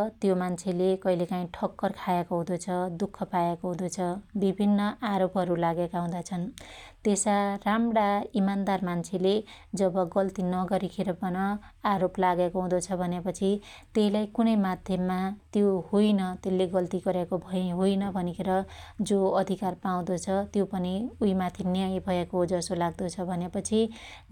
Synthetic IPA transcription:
t̪jomant͡sʰelekʌilekaĩʈʰʌkːʌrkʰajekoɦũd̪ot͡sʰʌd̪ukʰːʌpaekoɦũd̪ot͡sʰʌbibʱinːʌʔaɾopɦʌɾulaɡekaɦũd̪at͡sʰʌnt̪esaramɽaimand̪armant͡sʰeled͡zʌbʌɡʌlt̪inʌɡʌɾikʰeɾʌpʌnʌaɾoplaɡekoɦũd̪ot͡sʰʌbʱʌnepʌt͡sʰi | t̪eɦilajkunʌjmad̪ʱjʌmːat̪johojnʌt̪elːeɡʌlt̪iɡʌɾekobʱʌjɦojnʌbʱʌnikʰeɾʌd͡zoʌd̪ʱikarpaũd̪ot͡sʰʌt̪jopʌniujmat̪ʰinjʌjbʱʌekod͡zʌsolaɡd̪ot͡sʰʌbʱʌnepʌt͡sʰi

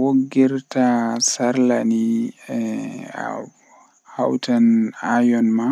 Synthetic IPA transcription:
woɡːɛɾtasaɾlaniɛ̰ | ha̰wtanajɔnma

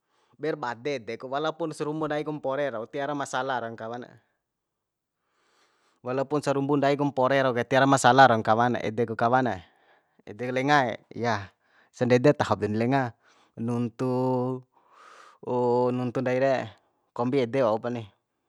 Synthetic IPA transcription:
bɛrbadɛd̪ɛkuwalaupunsaɾumbundaikumpɔɾɛɾaut̪iaɾamasalaɾɔŋkawana̰ | walaupunsaɾumbundaikumpɔɾɛɾaukat̪iaɾamasalaɾɔŋkawana̰ʔɛ̰dɛkukawana | ɛ̰dɛklɛŋaɛ̰ja | sandɛdɛt̪aɦup̚dɛnilɛŋa | nunt̪u | nunt̪undaiɾɛ | kɔmbiɛdɛwaupani

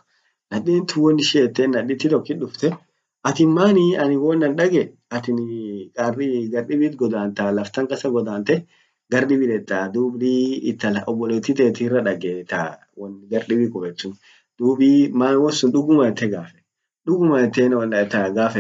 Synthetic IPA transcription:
nɐdiːnt̪ʊwɔnːɪʃɪɛt̪ːeːnːɐᶑɪt̪ːɪt̪ɔkːɪᶑʊft̪ɛ | ʔɐt̪ɪnmaːnɪɐnɪwɔnːɐnᶑɐɡɛ | ɐt̪ɪnkʼarɪɡɐɾɗɪbiːt̪ɡɔd̪aːnt̪aːlɐft̪ɐŋkʼɐsɐɡɔd̪aːnt̪ɛ | ɡɐɾɗɪbɪlɛt̪ʼːaːd̪uːbliːɪt̪ːɐlʔɔbːɔleːt̪ːɪt̪eːt̪ɪrːɐᶑɐɡeːt̪a̰ | wɐnɪɡɐɾɗɪbɪkʼɔfɛt͡ʃ̪ːʊn | d̪̥uːbiːmaːnwɔsʊnᶑʊɡʊmɐt̪ːɛɡaːfɛ̥ | ᶑʊɡʊmɐɛt̪ːeːnwnɐt̪ːɐɡaːfɛ

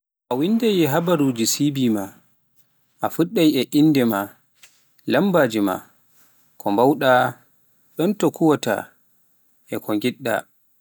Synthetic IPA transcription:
ʔawindajɛɦabaɾud͡ʒisibima | ʔafuɗːajɛʔinːdɛma | lambad͡ʒima̰ | kʰɔmbawɗa | ɗɔntɔkuwɔta̰ | ʔɛkʰɔŋɡiɗːa̰

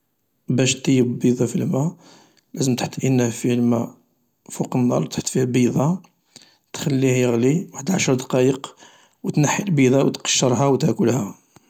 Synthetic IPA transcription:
bæʃt̪ːəjːəbbid̪ˤɑfilmæ | læzəmt̪ħt̪ːʔinːæfilmæ | fuqənːɑ̰ɾˤt̪ħt̪ːˤfihæbid̪ˤɑ | t̪xælːihjəɣliwaħəd̪ʕaʃɾˤd̪ɑqɑjəq | wət̪nəħːəlbid̪ˤɑwt̪qɑ̥ʃːəɾˤɦæwt̪ækʊlhæ

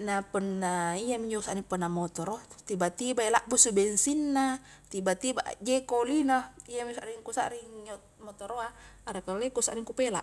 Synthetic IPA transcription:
napənːaiamiɲd͡ʒousaʔniŋpənːamot̪oɾot̪ibat̪ibaelaʔbusubɛnsinːa | t̪ibat̪iba̰ʔd͡ʒekolinoijamisaʔɾiŋkusa̰ʔɾiŋo | mot̪oɾoaːɾakalekusaʔɾiŋkupela̰ʔ

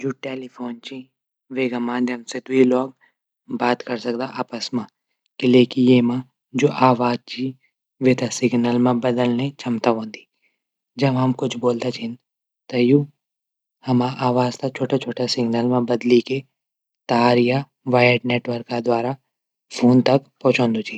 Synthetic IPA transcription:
d͡ʒoːʈeːlipʰoːnt͡ʃi | ʋeːɡamaːnd̪jəmsed̪ʊilɔːɡ | baːt̪kɐɾsɐkd̪aʔaːpəsmã | kɪleːkijeːmã | d͡ʒoːʔaːʋaːd͡ʒ̚t͡ʃi | ʋeːt̪asɪɡnəlmãbɐd̪əlnet͡ʃʰɐmt̪aɦõːnd̪i̥ | d͡ʒɐbɦɐmkʊt͡ʃʰboːlt̪at͡ʃʰin | t̪ɐjuː | hɐmaʔaːʋaːzt̪at͡ʃʰoːʈat͡ʃʰoːʈasɪɡnəlmãbɐd̪like | t̪ɐɦaːɾija | ʋaːjəɖneːʈʋəɾkːad̪waːɾa | pʰoːnt̪ɐkpɔːt͡ʃõːnd̪ut͡ʃʰiː

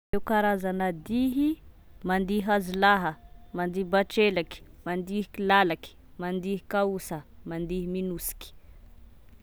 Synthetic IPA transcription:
ewkaɾazanəd̪iɦi | mand̪iɦazilaɦəmand̪iibaʈ͡ʂelaki̥mand̪iɦi̥kilalaki̥ | mand̪iɦi̥kausəmand̪iɦiminusi̥ki̥

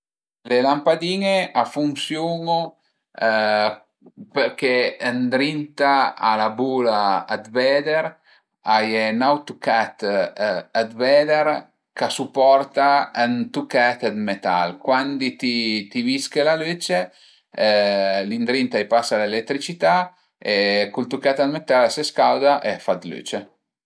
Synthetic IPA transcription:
lelampad̪iːŋeafuŋsjuŋo | peɾkeənd̪ɾint̪aa̰labulaːd̪vɛd̪eɾ | ajenawt̪ukat̪ | ad̪vɛd̪eɾ | kasupɔrt̪aənt̪ukɛt̪ad̪met̪a̰lkwand̪it̪it̪iviskelaløt͡ʃe | lind̪ɾint̪ajpasalelet̪ːɾit͡ʃit̪a | ekult̪ukɛt̪ad̪met̪alseskald̪aʔeafad̪lø̰t͡ʃe

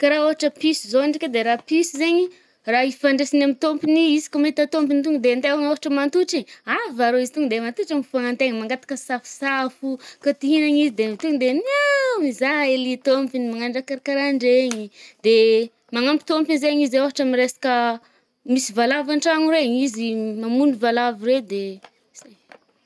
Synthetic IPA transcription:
kaɾaoɦaʈ͡ʂəpisizoniʈ͡ʂiked̪eɾapisizeɲi | raifaɳɖ͡ʐesinamit̪ompiniisi̥kʲamait̪at̪ompinit̪uŋd̪eand̪eaŋoɦaʈ͡ʂəmant̪uʈ͡ʂiɲavaɾoizit̪uŋd̪emant̪uʈ͡ʂamifaŋant̪eɲmaŋɡat̪ḁkəsafu̥safukat̪iɦinaɲizid̪emit̪uŋd̪enamizaelit̪ompinimaŋaɳɖ͡ʐakaɾakaɾaɳɖ͡ʐeɲid̪e | maŋampi̥t̪ompizeɲizaoɦaʈ͡ʂamiɾesḁkə | misivalavaɳʈ͡ʂaŋuɾeɲizimamunivalavired̪e | z̥aj

